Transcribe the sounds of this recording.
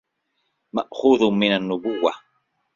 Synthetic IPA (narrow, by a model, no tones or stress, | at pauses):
maʔxuːðmɪnanːʊbʊwːa